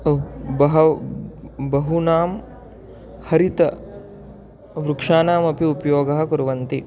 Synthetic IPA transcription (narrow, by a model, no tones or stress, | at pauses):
bɐɦɐ | bɐɦunaːm | hɐɾit̪ɐ | ʋɾukʂaːnaːmɐpiupɐjoːɡɐɦɐ̆kuɾɐʋɐnt̪i